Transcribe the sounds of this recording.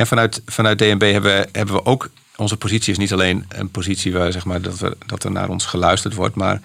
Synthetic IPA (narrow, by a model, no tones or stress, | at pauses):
ɛnfanœɥtfanœɥt̚deːɛnbejɦɛbəəhɛbənʋəʔoːk | ɔnzəpozisjəsnitaleːnə̰npozitsiʋzɛxmaːɹdɔtə̰dɔtə̰rna̰ːɾɔnsχəlœɥstərtʋɔ̰ɹtma̰ːr